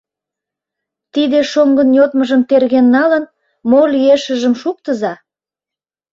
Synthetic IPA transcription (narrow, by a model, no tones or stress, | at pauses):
t̪id̪eʃoŋɡənjot̪məʒəmt̪erɣenːɑlən | molyeʃə̆ʒəmʃuk̚t̪əzɑ